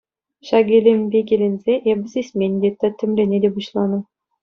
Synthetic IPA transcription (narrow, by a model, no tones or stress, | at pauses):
ɕɑɡʲelʲemʲbʲeɡʲelʲenʲzʲeʔebʲɘ̆zʲisʲmʲenʲd̪ʲet̪ɑt̪ʰʲːɘ̆mlʲenʲedʲebuɕlˠɑnɤ̆